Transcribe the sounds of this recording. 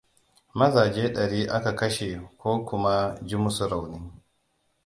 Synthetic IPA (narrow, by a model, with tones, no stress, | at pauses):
mɐ˦zaː˨d͡ʒeː˦ɗɐ˨ɾiː˦ʔa˦ka˨kɐ˦ʃe˨kʷoː˦kʷʊ˦ma˦d͡ʒi˦mʊ˦su˨ɾa˨wnɪ˦ŋ